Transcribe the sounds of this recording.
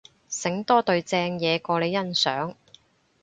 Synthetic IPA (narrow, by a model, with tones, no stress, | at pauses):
sɪ˨˥ŋt̪ɔː˥t̪ɵ˧ɥt͡sɛː˧ŋjɛː˨˧kɔː˧le˨˧jːɐ˥nsœː˨˥ŋ